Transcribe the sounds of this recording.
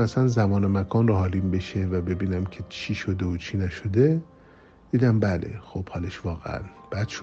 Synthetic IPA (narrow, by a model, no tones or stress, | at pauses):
æsænzæmɒːnemækʰɒːnrohɒːliːmbe̞ʃevæbe̞biːnæmcʲʰe̞t͡ʃʰiːʃod̪e̞ot͡ʃʰinæʃod̪e | d̪̥iːd̪æmbælʔḛxob̥hɒːleʃvɒːɣḛæ̰nb̥æd̪̥ʃ